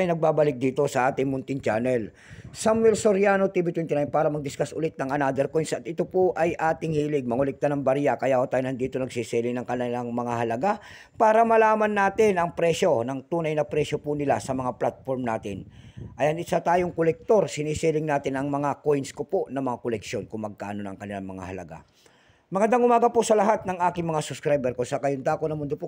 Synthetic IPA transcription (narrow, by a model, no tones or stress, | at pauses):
jnɐɡ̚baːbɐlɪk̚d̪iːt̪o̞sɐʔaːt̪ɪŋmʊnt̪ɪnt͡ʃanɛl | samwɛlsoɾjanot̪ibɪt̪wɛnt̪ɪnajnpaːɾɐmɐɡ̚d̪ɪskasʔʊlɪt̪̚nɐŋʔɐnad̪ɛɾkojnsɐt̪ɪt̪opoʔɐjʔaːt̪ɪŋhiːlɪɡ̚mɐŋʊlɪk̚t̪anɐŋbɐɾiakɐjaːhot̪aːjonɐnd̪iːt̪onɐɡsisiːlɪŋnɐŋkɐnanɐŋmɐŋaɦɐlɐɡa | paːɾɐmɐlaːmɐnːaːt̪ɪnʔɐŋpɾɛʃo̞nɐŋt̪uːnɐjnɐpɾɛsjopʊnɪlasɐmɐŋaplat̪̚foɾmnaːt̪ɪnʔɐjɐŋɪsat̪aːjoŋkolɛk̚t̪o̞ɾsɪnisiːlɪŋnaːt̪ɪnɐŋmɐŋakojnskoponɐŋmɐŋakolɛkʃjo̞nkʊŋmɐɡ̚ka̰ːʔno̞nɐ̰ŋkɐnɪlaŋmɐŋa̰hɐlɐ̰ɡa̰ | mɐkɐnd̪aŋʊmaːɡɐposɐlɐɦat̪̚nɐŋʔaːkɪŋmɐŋasʊskɾajbɛɾkosakajʊnd̪aːkonɐmʊnd̪opo